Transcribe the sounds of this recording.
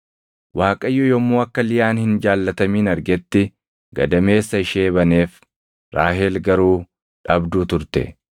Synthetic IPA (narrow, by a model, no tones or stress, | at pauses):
waːkʼɐjːɔjɔmːuːɐkːɐlɪjaːnhɪnd͡ʒaːlːɐt̪ɐmiːnɐɾɡɛt̪ːɪ | ɡ̥ɐ̰d̪ɐme̞ːsːɐɪʃeːβɐneːf | ɾaːɦeːlɡɐɾuː | ᶑɐbd̪uːt̪ʊɾt̪ɛ̰